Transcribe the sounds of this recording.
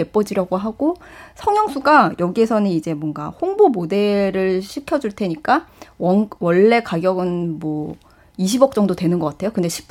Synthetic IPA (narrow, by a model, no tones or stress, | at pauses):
e̞p͈ʌd͡ʑiɾaɡoɦaɡ̥osʰʌŋjʌŋsʰuɡajʌɡiesʰʌnɯnid͡ʑe̞mwʌŋɡa̰hoŋbomode̞ɾɯɭɕʰikʰjʌd͡ʑuɭtʰe̞ɲik͈awʌwʌɭːe̞kaɡjʌɡɯnmwʌ | iɕʰibʌk̚t͡ɕ͈ʌŋdotwe̞nɯnɡʌk͈atʰe̞jokɯnde̞ɕʰi̥